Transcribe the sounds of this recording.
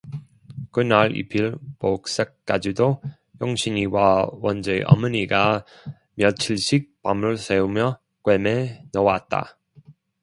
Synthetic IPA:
kɯnaɭḭpʰiɭpok̚s͈ek̚k͈ad͡ʑido | joŋɕʰiɲiwawʌnd͡ʑeʔʌ̰mɯɲiɡa | mjʌt͡ɕʰiɭɕʰik̚pamɯɭseumjʌ | kwemenʌwat̚t͈a̰

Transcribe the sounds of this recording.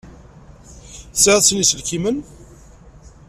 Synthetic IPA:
θsəðslisəlkimən

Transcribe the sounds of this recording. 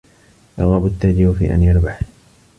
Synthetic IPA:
jɑɣabʊt̪ːad͡ʒɪbfḭːʔa̰njɑɾˤbaħ

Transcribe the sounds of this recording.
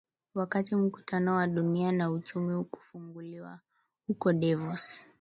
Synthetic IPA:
wakatim̩ku̥tʰanɔwaɗunianaut͡ʃumiuku̥fuŋɡuliwa | hukɔɗɛvɔs

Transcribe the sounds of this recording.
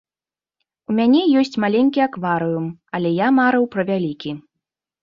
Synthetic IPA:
umʲanʲɛjɔsʲt͡sʲmalʲenʲkʲiakvaɾɨjumɐlʲɛjamaɾɨwpɾɐvʲalʲikʲi

